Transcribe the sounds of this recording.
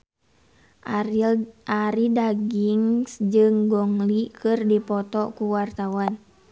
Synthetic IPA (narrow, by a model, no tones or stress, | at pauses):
ʔaɾidaɡiŋsd͡ʒɨŋɡɔŋlikɨrdipɔt̪ɔkuwart̪awan